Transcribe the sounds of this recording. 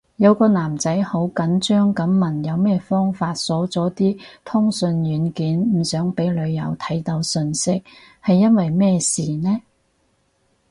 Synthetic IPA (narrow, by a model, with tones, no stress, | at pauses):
jɐ˨˧wkɔː˧naː˨˩mt͡sɐ˨˥jho˨˥wkɐ˨˥nt͡ʃœː˥ŋkɐ˨˥mːɐ˨˩njɐ˨˧wmɛː˥fɔː˥ŋfaː˧t̚sɔː˨˥t͡sɔː˨˥t̪iː˥t̪ʰʊ˥ŋsɵ˧njyː˨˥nkiː˨˥nm̩ː˨˩sœː˨˥ŋpe˨˥jlɵ˨˧ɥjɐ̰˨˩wt̪ʰɐ˨˥jt̪ɐ˨˧wsɵ˧nsɪ˥k̚ | hɐ˨jːɐ˥nwɐ˨jmɛː˥siː˨˩nɛː˥